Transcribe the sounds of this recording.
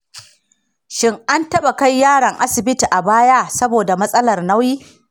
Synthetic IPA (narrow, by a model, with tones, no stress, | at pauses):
ʃɪ˦ŋʔa˦ntɐ˦ɓa˨ka˦jːaː˦ɽɐ˨ŋʔa˦sɪ˨bɪ˦ti˨ʔa˨baː˦jaː˦sɐ˦boː˨da˨mɐ˦sʼɐ˦lɐ˨rna˦wjiː˦